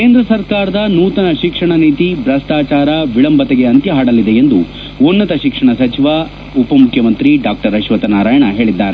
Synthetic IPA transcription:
keːnd̪ɾɐsɐɾkaːɾɐd̪ɐnuːt̪ɐnɐʃikʂɐɳɐniːt̪ibɾɐst̪aːt͡ʃaːɾɐʋiɭɐmbɐt̪ɛɡe̞ɐnt̪jɐɦaːɽɐlid̪eend̪u | unːɐt̪ɐʃikʂɐɳɐsɐt͡ʃiʋɐ | upɐmukʰjɐmɐnt̪ɾiɖaːk̚ʈɐɾɐʃʋɐt̪ɐnaːɾaːjɐɳɐɦe̞ːɭid̪ːaːɾe

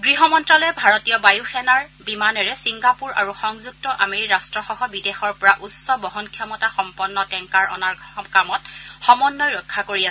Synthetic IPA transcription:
ɡɹiɦɔmɔntɹalɔjɛbʱaɹɔtijɔbajuxɛnaɹbimanɔɹɛsiŋɡapuɹa̰ɹuxɔŋzuk̚tɔʔa̰meɹiɹastɹɔxɔɦɔbidexɔɹpɔɹaʔutsɔbɔɦɔnkʰjɔmɔtaxɔmpɔnːɔtɛŋkaɹɔ̰naɹkamɔtxɔmɔnːɔjɹɔkʰːakoɹiasɛ

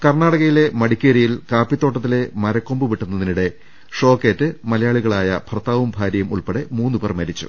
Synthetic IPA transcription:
kɐrɳaːɽɐɣɐjile̞mɐɽikʲːeːɾijilkaːpːit̪ːo̞ːʈːɐt̪̬ːile̞mɐɾɐkːo̞mbuʋiʈːunːɐðiniɽe̞ | ʂo̞ːkːeːtːɨmɐlɐjaːɭiɣɐɭaːjɐbʰʱrɐt̪ːaːʋumbʱaːɾjjɐmuɭpeɽemuːnːupɐrmɐɾit͡ɕːṵ

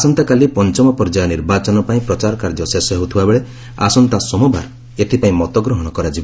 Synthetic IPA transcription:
asɔnt̪akalipɔnt͡ʃɔmɔpɔɾd͡ʒajɔniɾbat͡ʃɔnɔpaĩpɾɔt͡ʃaɾɔkaɾd͡ʒɔsesɔɦeut̪ʰibabeɭe | a̰sɔnt̪asɔmubʱa̰ɾ | et̪ʰipaĩmɔt̪ɔɡɾɔɦɔɽ̃ɔkɔɾad͡ʒibɔ

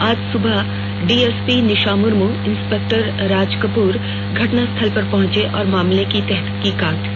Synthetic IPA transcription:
aːd͡ʒsʊbʱa | ɖiːeːspinɪʃaːmʊɾmuɪnspeːk̚ʈəɾɾaːd͡ʒkəpuːɾ | ɡʱɐʈnast̪ʰɐlpɐɾpɐɦʊ̃ɲt͡ʃeʔɔːɾmaːmlekit̪ɛɦt̪kikãːʈ

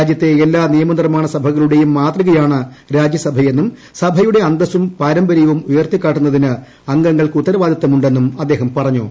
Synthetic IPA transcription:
ad͡ʑjɐt̪ːe̞ːlːaːnijɐmɐnirmaːɳɐsɐbʱɐɣɐɭuɽe̞jumːaːt̪riɣɐjaːɳɨ | ɾaːd͡ʑjɐsɐbʱɐje̞nːum | sɐbʱɐjuɽe̞ɐnd̪ɐsumpaːɾɐmbɐɾijɐʋumujɐrt̪ikʲːaːʈːunːɐðinɨ | ɐŋɡɐŋːɐɭkɨut̪ːɐɾɐʋaːd̪ʱɐt̪ːɐmuɳɖe̞nːumɐd̪ːe̞ːɦɐmpɐrɐɲːṵ

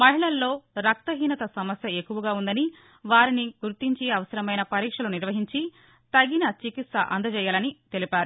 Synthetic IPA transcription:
mɐɦiɭɐlːo̞ːɾɐk̚t̪ɐɦiːnɐt̪ɐsɐmɐsjɐekːuʋɐɡaːund̪ɐni | ʋaːɾiniɡuɾt̪iɲt͡ʃiɐʋɐsɐɾɐmɐjnɐpɐɾiːkʂɐluniɾʋɐɦiɲt͡ʃi | t̪ɐɡinɐt͡ʃikit̪sɐʔɐ̰nd̪ɐd͡ʒɛːjaːlɐnit̪e̞lipaːɾu

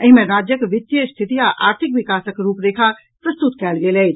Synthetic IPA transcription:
ɐɦmẽɾaːd͡ʒjəkʋɪt̪ːjəst̪ʰɪt̪ijaʔa̰ːɾt̪ʰɪkʋɪkaːsəkɾuːpɾeːkʰa | pɾɐst̪ut̪kɛːlɡelei

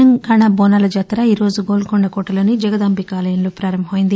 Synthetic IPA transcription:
ɐŋɡaːɳɐboːnaːlɐd͡ʒɐt̪ːɾɐiːɾo̞ːzuɡoːlkoɳɖɐkoːʈɐlo̞ːnid͡ʒɐɡɐd̪ɐmbʱikaːlɐjɐnloːpɾaːɾɐmbʱɐmɐjind̪i

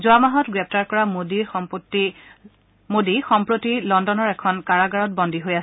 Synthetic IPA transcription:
zʊamaɦɔtɡɹɛp̚taɹkɔɹamoditi | modixɔmpɹotilɔndɔnɔɹɛkʰɔnkaɹaɡaɹɔt̚bɔndiɦojas

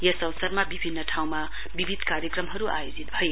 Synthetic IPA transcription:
jʌsʌwsʌrmabibʱinːʌʈʰaw̃ma | bibʱid̪ʱkaɾjʌkrʌmɦʌɾuʔa̰jod͡zit̪̚bʱʌje

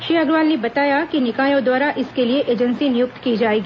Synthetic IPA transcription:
ʃiaɡɾʋaːlnebɐt̪aːjakinɪkaːjõd̪waːɾaʔɪskelieʔeːd͡ʒənsinɪjʊk̚t̪kid͡ʒaːeːɡiː

